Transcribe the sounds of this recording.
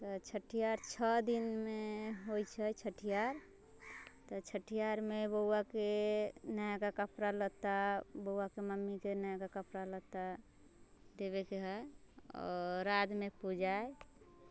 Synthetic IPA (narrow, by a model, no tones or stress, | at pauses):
t̪ɔt͡ʃʰəʈʰijaɾt͡ʃʰəd̪inmeɦojt͡ʃʰət͡ʃʰəʈʰijaɾ | t̪ɔt͡ʃʰəʈʰijaɾmebəwakenajakakəpɾalət̪abəwakeməmːikenajkakəpɾalət̪a | d̪eβekeɦəɔ̰ɾːad̪mepud͡ʒae